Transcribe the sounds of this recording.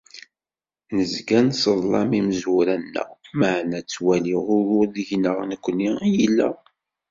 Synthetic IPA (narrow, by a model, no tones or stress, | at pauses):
nəzɡænsəðˤlɑmiməzuɾænːə̰ʁməʕnæt͡sːwæliʁʊɾʊɾðiʝnəʁnəkʷːniijilːə̰